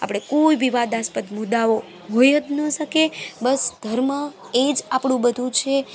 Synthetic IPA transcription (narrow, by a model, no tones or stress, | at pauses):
a̰pɽ̃ekoibiʋad̪aspət̪mud̪aʋo | ɦojəd̪nəʃəkebəsd̪ʱəɾmə | ed͡ʒapɽ̃ũbəd̪ʱũt͡ʃʰe